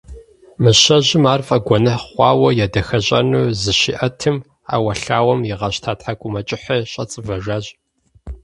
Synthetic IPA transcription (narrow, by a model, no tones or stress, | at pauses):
mɨɕɐʑɪmaːrfʼɐɡʷɔnɐχʷɑːwɐjɛdɐxɐɕʼɐ̰nuːzɨʃḭʔɐtʰɨm | a̰ːwɐɬaːwɐmjɪʁɐɕtʰaːtħakʷʼʊmɐt͡ʃʼɪħɐɕʼɐt͡sʼɨvɐʒaːʑ